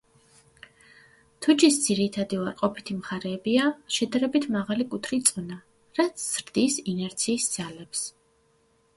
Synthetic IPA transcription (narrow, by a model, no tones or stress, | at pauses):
t̪ʰut͡ʃisd̪z̥iɾit̪ʰad̪iuaɾqʼɔpʰi̥t̪ʰimχaɾɛːbiaʃɛd̪aɾɛbit̪ʰmaʁalikʼut̪ʰɾit̪sʼɔna | ɾat̪sʰz̥ɾd̪isinɛɾt̪sʰiːsd̪z̥alɛps